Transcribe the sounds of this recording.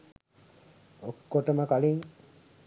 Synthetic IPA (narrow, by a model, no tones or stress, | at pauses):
okːoʈəməkaliŋ